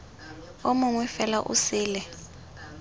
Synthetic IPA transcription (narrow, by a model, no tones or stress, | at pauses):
omʊŋwɛfɛlaʔṵsiːlɛ